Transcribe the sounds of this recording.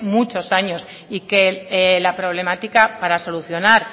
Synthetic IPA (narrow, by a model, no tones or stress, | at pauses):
mut͡ʃo̞saɲo̞s | ike̞lapɾo̞β̞le̞mat̪ikapaɾaso̞luθjo̞naɾ